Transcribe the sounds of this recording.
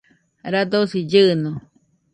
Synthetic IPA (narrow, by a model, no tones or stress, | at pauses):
ɾad̪osid͡ʒɨno